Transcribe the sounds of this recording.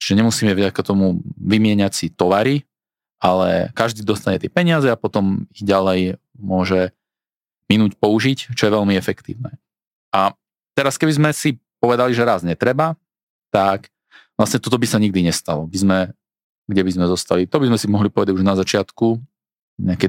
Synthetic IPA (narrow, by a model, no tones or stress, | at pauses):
t͡ʃi̥ʒɛɲɛmusiːmɛvɟakat̪ɔmuʋimɪɛɲacsit̪ɔʋaɾi | ʔalɛ̰kaʒd̪iːd̪ɔst̪aɲɛt̪ɪɛpɛɲɪazɛapɔt̪ɔmiɣɟalɛj | mʊɔʒɛ | minuːcpɔuʒict͡ʃɔjɛʋɛlmiɛfɛkt̪ḭːʊnɛː | ʔa | t̪ɛɾaskɛbizmɛsipɔʋɛd̪aliʒɛɾaːzɲɛt̪ɾɛba | t̪ak | ʋlasɲɛt̪ɔt̪ɔbisaɲiɡ̚d̪iɲɛst̪alɔbizmɛ | ɡɟɛbizmɛzɔst̪alit̪ɔbizmɛsimɔɦlipɔʋɛd̪aɟuʒnazat͡ʃɪat̪ku | ɲɛakɛ